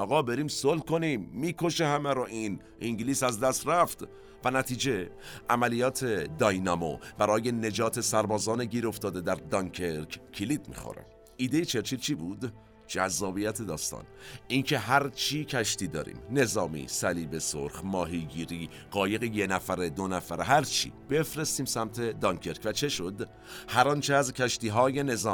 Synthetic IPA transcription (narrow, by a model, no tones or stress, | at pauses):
ʔɒːɣɒːbe̞ɾiːmsolko̞niːmːiːkʰo̞ʃehæmæɾoʔin | ʔiŋɟliːsæzd̪æst̪ɾæft̪ | vænæt̪ʰiːd͡ʒe̞ʔæmælijɒːt̪ʰe̞d̪ɒjnɒmo̰b̥æɾɒːje̞ne̞d͡ʒɒːt̪ʰe̞sæɾbɒːzɒːneɟiːɾo̞ft̪ɒːd̪e̞d̪æɾd̪ɒŋkʰeɾkʰcʰilid̪mḭxo̰ɾæ̰m | ʔiːd̪ejet͡ʃʰe̞ɾt͡ʃʰiːd̪t͡ʃʰiːbuːd̪ | d͡ʒæzːɒːbijæt̪ʰe̞d̪ɒːst̪ɒ̰ːnʔincʰe̞ɦæɾt͡ʃʰiːcʰæʃt̪iːd̪ɒːɾḭːmne̞zɒːmḭːsæliːbe̞soɾχmɒːɦiɟiːɾiː | ɢ̥ɒːje̞ɣejenæfæɾed̪onæfæɾɦæɾt͡ʃʰḭːb̥e̞fɾe̞st̪iːmsæmt̪ʰe̞d̪ɒŋkʰeɾkvæt͡ʃʰe̞ʃo̞d̪ | hæɾɒnt͡ʃʰeæzcʲʰæʃt̪iːɦɒːje̞ne̞zɒːm